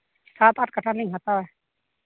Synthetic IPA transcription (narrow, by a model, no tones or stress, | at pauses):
saːt̪aʈkəʈʰanəĩɦaːt̪aɛː